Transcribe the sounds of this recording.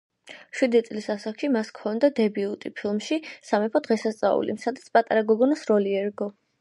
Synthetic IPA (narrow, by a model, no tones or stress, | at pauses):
ʃwid̪it̪sʼlisasakʃimaskʰɔnd̪ad̪ɛbiut̪ʼipʰilˠmʃisamɛpʰɔd̪̥ʁɛsast̪sʼa̰ṵlḭsad̪at̪sʰpʼat̪ʼaɾaɡɔɡɔnasɾɔliɛɾɡɔ